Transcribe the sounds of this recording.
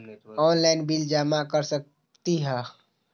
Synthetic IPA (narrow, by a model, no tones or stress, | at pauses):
ɔnlaɪnbild͡ʒamakəɾsək̚ | t̪iɦɛ